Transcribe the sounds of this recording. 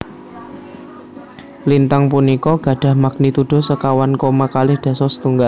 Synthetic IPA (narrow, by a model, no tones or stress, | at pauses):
lint̪aŋpunikɔɡ̥ä̤ɖ̥ä̤hmak̚nit̪uɖ̥ɔ̤səkawankomakalɪhɖ̥a̤sɔst̪uŋɡal